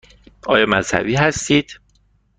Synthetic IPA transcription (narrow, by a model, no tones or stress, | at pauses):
ʔɒːjɒːmæz̥hæ̰biːɦæst̪iːd̪̥